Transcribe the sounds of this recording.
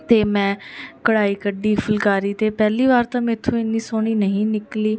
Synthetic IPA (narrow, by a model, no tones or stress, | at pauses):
t̪eːmɛ̃ːkəɽaːiːkəɖiːfʰəlkaːɾiːt̪eːpɛːliːʋaːɾt̪ãːmɛ̃ːɪt̪ʰːõːɪnːĩːsoːɳ̃iːnəɦĩːnɪkliː